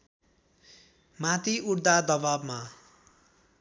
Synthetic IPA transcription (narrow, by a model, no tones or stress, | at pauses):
mat̪iʔuɽd̪ad̪ʌbabma